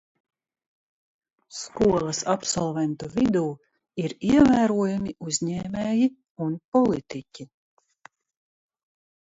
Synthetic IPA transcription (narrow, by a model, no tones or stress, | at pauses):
skuɔlˠɐsapsɔlˠvɛnt̪uvid̪uː | iɾiɛvæːɾuɔjumiʔuzʲɲɛːmɛːji | unpɔlˠit̪icʲi